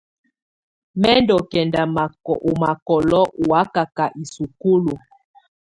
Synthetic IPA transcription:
mɛ˦ndɔ˨kɛ˨nda˨ma˨u˨ma˨kɔ˨lɔ˦ʔu˨wa˦ka˨ka˨ʔi˨su˨ku˦lu˨

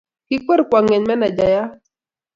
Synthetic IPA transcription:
ki˦kə˦ɾkwa˨ŋɛ˨ɲmɛ˦na˨d͡ʒa˨ja˦

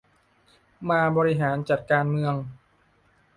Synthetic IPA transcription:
maː˧bɔː˧ɾi˦˥ɦaː˩˦nt͡ɕa˨˩t̪̚kaː˧nmɯ˧əŋ

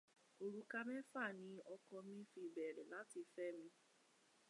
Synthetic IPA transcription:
o˧ɾu˦ka˦mɛ̃˦fa˦˨nĩ˧˦ɔ˧kɔ˧mĩ˦fi˧˨bɛ˨ɾɛ˨la˨˦ti˧fɛ˦mĩ˧

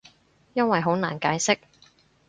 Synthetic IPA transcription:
jɐ˥nwɐ˨jɦo˨˥wna̰ː˨˩nkaː˨˥jsɪ˥k̚

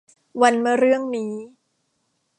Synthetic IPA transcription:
wa˧nmɯ˥˩ɐɾɯ˥˩əŋniː˦˥

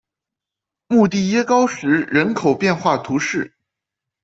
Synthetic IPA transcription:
mu˥˧t̪i˥˩jɛ˥kɑ˥ʊʂɻ̩˧˥ɻə˧˥nkʰo˨˩ʊpjɛ˥˧nxwa˥˩t̪ʰu˧˥ʂɻ̩˥˩

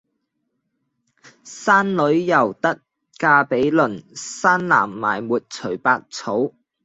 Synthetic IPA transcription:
saː˥nlɵ˨˥ɥjɐ˨˩wt̪ɐ˥k̚ | kaː˧pe˨˥jlɵ˨˩nsaː˥nla̰ː˨˩mːa̰ː˨˩jmuː˨t̚t͡sʰɵ˨˩ɥpaː˧k̚t͡sʰo˨˥w

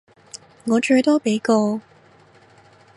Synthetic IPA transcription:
ŋɔ˨˥ʈ͡ʂə˨˧˥t̪o˥pe˨˥ko˥˧

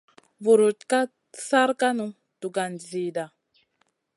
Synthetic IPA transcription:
vu˨ɾu˨t̚ka˦ | sa˦ɾka˦nũ˦ | tu˨ɡa˨nziː˨da˨

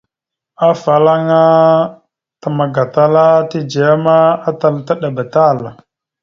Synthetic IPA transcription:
a˦fa˨la˦ŋa˦ | ta˨ma˨ɡa˨ta˦la˦ti˦d͡ʒa˨a˦ma˦a˦ta˨lta˦ɗa˨ba˨ta˦˨l

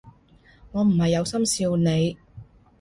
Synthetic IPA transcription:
ŋɔː˨˧m̩˨˩hɐ˨jːɐ˨˧wsɐ˥msiː˧wne˨˧j

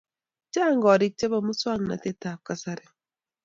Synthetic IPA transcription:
t͡ʃa˦˨ŋɡɔ˨ɾɪ˦˨k̚t͡ʃɛ˦bɔ˦˨mu˦swa˦ŋna̰˨te˦ta˨p̚ka˨sa˦ɾɛ˨

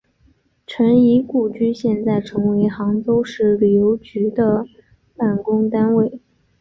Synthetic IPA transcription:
ʈ͡ʂʰə˧˥ni˧˥ku˨˩t͡ɕy˥ɕjɛ˥˧nt͡sa˥˩ɪʈ͡ʂʰɤ˧˥ŋwe˧˥ɪxɑ˧˥ŋt͡so˥ʊʂɻ̩˥˩li˨˩jo˧˥ʊt͡ɕy˧˥d̪ə˧ | pa˥˩nkʊ˥ŋt̪a˥nwe˥˩ɪ

